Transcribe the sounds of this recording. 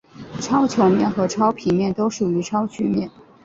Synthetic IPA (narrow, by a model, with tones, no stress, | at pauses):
ʈ͡ʂʰɑ˥ʊt͡ɕʰjo˧˥ʊmjɛ˥˩nxɤ˧˥ʈ͡ʂʰɑ˥ʊpʰi˨˩nmjɛ˥˩nt̪o˥ʊʂu˨˩y˧˥ʈ͡ʂʰɑ˥ʊt͡ɕʰy˥mjɛ˥˩n